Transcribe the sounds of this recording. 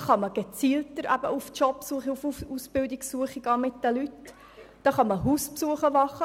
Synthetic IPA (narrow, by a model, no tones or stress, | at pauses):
χɑməɡ̥et͡siːltəɾæ̰b̥əuft͡ʃɔpsuəχiufusb̥ɪldɪksuəχiɡɑːmɪt̚d̥əlyt | d̥ɑːχɑməɦuːspsuəχəʋɑχə